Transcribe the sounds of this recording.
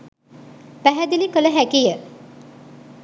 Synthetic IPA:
pæɦæd̪ilikələɦækijə

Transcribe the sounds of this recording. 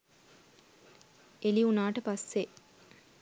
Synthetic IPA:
ʔeliunaːʈəpasːe

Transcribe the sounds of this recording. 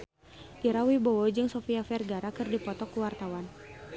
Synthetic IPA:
ʔiɾawibowɔd͡ʒɨŋsofiafɛrɡaɾakɨrdipɔt̪ɔkuwart̪awan

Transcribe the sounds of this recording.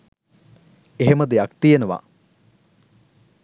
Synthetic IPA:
eɦemɐd̪ejakt̪ijenəʋa̰

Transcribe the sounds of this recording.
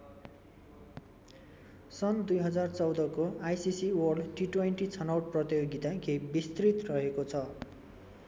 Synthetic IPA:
sʌnd̪ujɦʌd͡zart͡sʌwd̪ʌkoajsisiwʌrɖʈiʈweɳʈit͡sʰʌnawʈ̚prʌt̪joɡit̪akebist̪rit̪rʌɦekot͡sʰʌ

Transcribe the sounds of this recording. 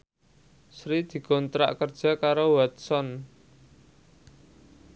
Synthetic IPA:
sɾid̪̥i̤kɔnt̪ɾa̰ʔkərd̥ʒ̥a̤kaɾowat̪̚sɔn

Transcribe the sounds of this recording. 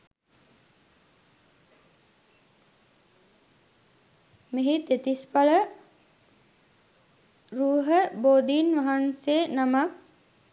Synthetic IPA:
meɦit̪et̪ispaɭə | ɾuːɦəboːd̪iːnʋɐɦansenamak̚

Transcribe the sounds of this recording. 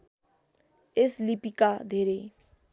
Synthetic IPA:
eslipikad̪ʱeɾe

